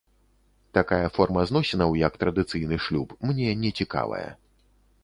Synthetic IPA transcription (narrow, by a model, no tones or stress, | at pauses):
t̪akajɐfɔrmɐznɔsʲɛnɐwjɐk̚t̪ɾɐd̪ɨt̪sɨjnɨʂlʲupmnʲɛnʲɛt͡sʲika̰vɐ̰jɐ̰